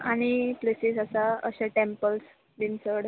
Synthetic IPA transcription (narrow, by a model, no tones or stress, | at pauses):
aɽ̃iplesisasaə̰ɕaʈempəls | d̪insəɽ